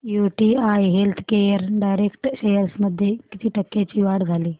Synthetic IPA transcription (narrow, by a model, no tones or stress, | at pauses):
juːʈiːajɦelt̪ʰkejəɾɖaːjɾekʈʃejəɾsməd̪ʱjekit̪ʰiːʈəkːet͡ɕiːʋaɽd͡zʱaliː